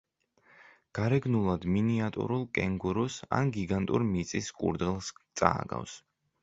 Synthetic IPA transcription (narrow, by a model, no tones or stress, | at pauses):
ɡ̥aɾɛɡnulˠad̪miniat̪ʼṵɾulˠkʼɛŋɡuɾusa̰nɡiɡant̪ʼuɾmit̪sʼiskʼṵɾd̪ɛlˠst̪sʼa̰ːɡa̰fs